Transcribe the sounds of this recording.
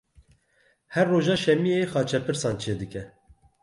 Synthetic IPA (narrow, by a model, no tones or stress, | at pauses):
hɛrːoːʒɑːʃɛmijexɑːt͡ʃʰɛpɨɾsɑːnt͡ʃʰeːd̪ɨkɛ